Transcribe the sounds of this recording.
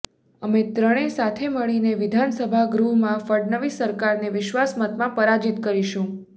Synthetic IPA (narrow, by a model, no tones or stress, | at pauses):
əmet̪ɾəɽ̃esat̪ʰeməɭineʋɪd̪ʱansəbʱaɡɾuɦmãfəɖnəʋisəɾkaɾneʋɪʃʋasmət̪mãpəɾad͡ʒit̪kəɾiʃũ